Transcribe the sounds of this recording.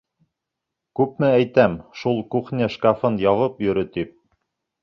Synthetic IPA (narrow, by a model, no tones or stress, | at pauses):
kʉp̚mɘæjt̪æmʃulˠkuχnʲeʃkafɤnjɑvɤpjɵ̆ɾɵt̪ip̚